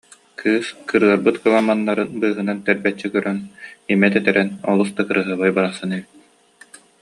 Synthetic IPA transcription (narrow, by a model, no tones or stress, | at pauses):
kʰɯːskɯɾɯɐɾbɯt̪kɯlˠamanːaɾɯnbɯːɦɯnant̪ɛɾbɛt͡ɕːɛkœɾœnimɛt̪ɛt̪ɛɾɛnɔlˠusd̪akɯɾɯɦɯβajbaɾaχsɯnɛbit̪̚